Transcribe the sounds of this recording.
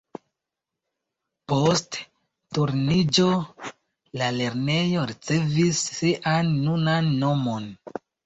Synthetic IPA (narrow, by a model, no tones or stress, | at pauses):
po̞st | tuɾnid͡ʒo̞ | lale̞ɾne̞jo̞ɾit͡se̞visːiʔanːunanːo̞mo̞n